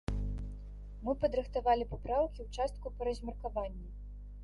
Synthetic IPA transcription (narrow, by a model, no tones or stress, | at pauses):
mɨpɐd̪ɾɨxt̪avalʲipapɾawkʲiwt͡ʂast̪̚kupɐɾɐzʲmʲɛrkavanʲːɛ